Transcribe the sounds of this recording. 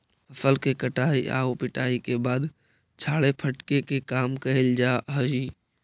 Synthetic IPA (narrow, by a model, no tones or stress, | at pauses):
ɦɐfəlkekɐʈaːiʔa̰ːopɪʈaːikebaːd̪ | t͡ʃʰaːɭepʰɐʈkekekaːmkɐɦeld͡ʒaːɦɐd͡ʒiː